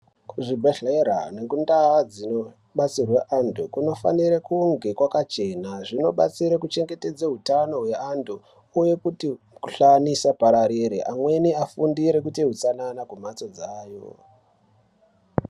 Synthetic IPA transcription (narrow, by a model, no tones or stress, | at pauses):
kʐibʱaɬeɾa̰nekundaad͡zino | ɓat͡sirweʔantʰukuno̞fa̰niɾekuŋɡe̞kwakat͡ʃe̞naʐino̞ɓa̰t͡siɾekut͡ʃe̞ŋɡe̞te̞d͡zeɦutano̞ɦwe̞andu | uje̞kuti | kuɬanisapaɾaɾiɾḭʔamwe̞niafundiɾekutiɦut͡sananakumat͡so̞d͡zaːjo̞̰